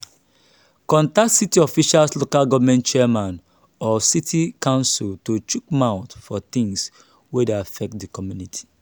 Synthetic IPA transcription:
kɔ̃ntaktsitiɔfiʃalslokalɡɔvmɛ̃ntt͡ʃɛɛmãn | ɔsitʰikãʊ̃nsultot͡ʃukmaʊtfɔθĩŋs | wɛdeafɛk̚tdikɔmjunitʰi̥

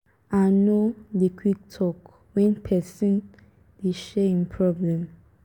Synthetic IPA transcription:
anodekʰwik̚tʰɔk | wɛ̃npʰɛsĩn | d̥eʃɛĩnpʰɹɔblɛ̃m

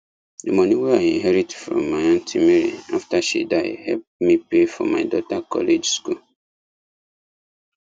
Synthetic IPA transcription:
demɔniweaĩnɦɛɾitfɾɔ̰̃mːaãntʰimeɾḭaftaʃḭdaɪ̰hɛp̚mipefɔ̰maɪdɔtakɔ̰led͡ʒskul

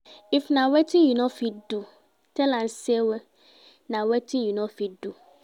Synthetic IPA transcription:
ifnãwetĩjunɔ̃fidu | tɛlãnsewe | nãwetĩnjunɔ̃fidu

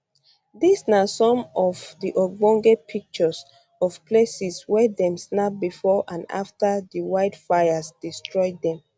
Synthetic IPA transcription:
disnasɔ̃mɔvdiʔɔɡ͡bɔ̃ŋɡepʰik̚t͡ʃɔs | ɔvpʰlesiswɛdɛ̃msnap̚bifɔʔãna̰ftədiwaɪdfajəsdistɹɔɪddɛ̃m

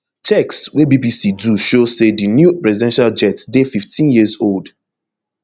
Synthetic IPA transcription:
tʰɛkswɛbibisiduʃosedinjupɹɛzidɛ̃nʃald͡ʒɛtdefiftʰĩnjizold

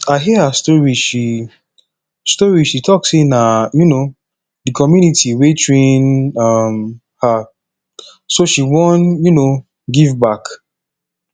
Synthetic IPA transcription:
aɪɦihastɔɹiʃi | stɔɹiʃitʰɔksĩnajuno | dɨkʰɔmjunitʰiwetʰɹẽnʌm | ha | soʃiwɔ̃njuno | ɡivbak

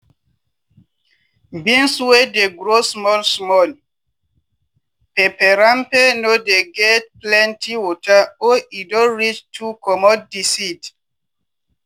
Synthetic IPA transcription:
bĩnswedeɡɾosmɔlsmɔl | pepɛɾãmpenodeɡɛt̚plɛ̃ntiwɔtʰaoidɔ̃ɹit͡ʃtʰukɔmɔd̚ːisid

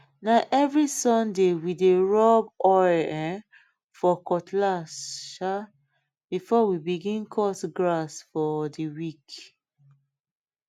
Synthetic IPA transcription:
naʔɛvɹisɔ̃ndewideɹɔbɔɛ̃ | fɔkɔtʰlaʃa | b̥ifɔwibiɡĩnkʰɔsɡɹasfɔdiwik

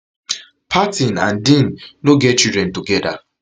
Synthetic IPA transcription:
pʰatinãndĩnnoɡɛt̚t͡ʃidɾɛ̃ntuɡɛda̰

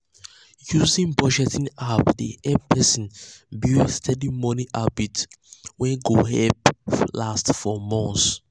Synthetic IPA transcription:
juzĩnbɔd͡ʒɛtĩŋapdiʔɛpʰɛsɔ̃nbistʰɛdimɔniʔabit | wɛ̃ɡohɛplastfɔmɔ̃ns

